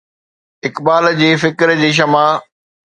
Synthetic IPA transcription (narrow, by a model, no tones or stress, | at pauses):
ɪkbaːld͡ʑeːfɪkɾd͡ʑeːʃ̬ɐma